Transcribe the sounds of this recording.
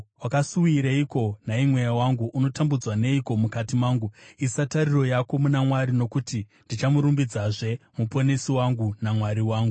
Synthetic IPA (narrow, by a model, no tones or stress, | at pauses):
wakasuwiɾaiko̞naimwe̞jawaŋɡuʔuno̞tambud͡zwane̞iko̞mukatimaːŋɡuisatariro̞jako̞munamwaɾino̞kuti | ndit͡ʃamuɾumbid͡zaʐe̞mupo̞nesiwaŋɡunamwaɾiwaːŋɡu